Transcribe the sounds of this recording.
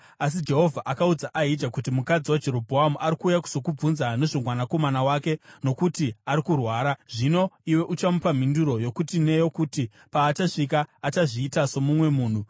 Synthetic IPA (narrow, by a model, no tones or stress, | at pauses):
as̬id͡ʒe̞ɦo̞vʱaʔakaud͡zaʔaid͡ʒakut̬imukad͡ziwad͡ʒe̞ɾo̞bʱoɦamuʔaɾikuːjaku̥so̞kub͡vunzane̞ʐomwanako̞manawaːke̞no̞kutiaɾikurwaːɾaʐino̞iwe̞ʔut͡ʃamupam̤induɾo̞jo̞kutine̞jo̞kuti | paːt͡ʃaʂik̬aːt͡ʃaʐiːtaso̞mumwe̞muːn̤u